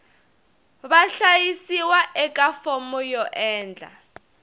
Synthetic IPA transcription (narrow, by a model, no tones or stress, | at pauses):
βaɬajisiwaʔɛk̬ʼafɔmɔjɔʔɛːnd͡ɮʱa̰